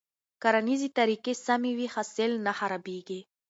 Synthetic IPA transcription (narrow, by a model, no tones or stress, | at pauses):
kaɾanizit̪aɾikesamiwixaselnaxaɾabiɡi